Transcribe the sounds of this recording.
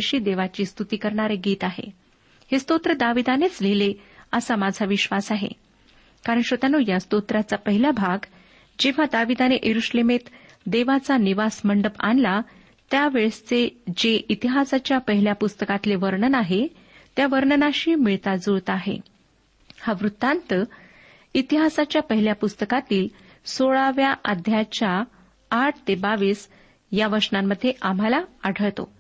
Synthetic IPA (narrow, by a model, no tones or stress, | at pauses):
ɕiːd̪eʋat͡ɕiːst̪ut̪iːkəɾɳaɾeɡiːt̪aɦḛ | hest̪ot̪ɾəd̪aʋid̪anet͡sleleəsamad͡zʱaʋiɕʋasaɦḛ | kaɾəɳɕʋət̪anuːjast̪ot̪ɾat͡sapəɦilabʱaɡ | d͡ʑeʋ̤ad̪aʋid̪aneʔjʔeɾuɕlemet̪ | d̪eʋat͡saniʋasməɳɖəpa̰nla | t̪jaʋeɭst͡sed͡ʑeʔit̪iɦasat͡ɕjapəɦiljapust̪əkat̪leʋəɾɳənaɦe | t̪jaʋəɾɳənaɕiːmiɭt̪ad͡zoɭt̪aɦḛ | haʋɾut̪ːant̪ə | it̪iɦasat͡ɕjapəɦiljapust̪əkat̪iːl | soɭaʋjaʔad̪ʱjat͡ɕjaː | ʈʰt̪ebaʋiːs | jaʋəɾʂnamːəd̪ʱːjeʔam̤alaaɽ̤ʱəɭt̪o̰